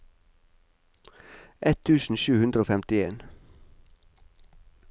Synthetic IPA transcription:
ʔɛt̪ʰʉːsn̩ʃʉːhʉnd̪ɾəoːfɛmt̪ɪeːn

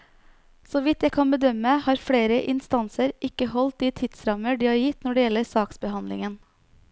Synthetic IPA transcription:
soːʋɪt̪jæɪkʰɑnbəd̪œməmæhɑːɾfɽeːɾəʔɪnst̪ɑnsəɾʔɪkəhɔlt̪iːt̪ʰɪd̪sɾɑməɖiːhɑːɾjɪt̪nɔɖɛːjɛləɾsɑːksbəhɑnlɪ̰ŋən

